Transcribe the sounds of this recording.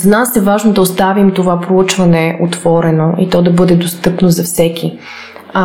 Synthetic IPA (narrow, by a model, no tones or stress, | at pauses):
zɐnasɛvaʒnod̪ɐost̪avimt̪ovapɾout͡ʃvɐnɛʔot̪v̥ɔɾɛnoʔit̪ɔd̪ɐbɤd̪ɛd̪ost̪ɤpnozɐfsɛk̟ʰʲi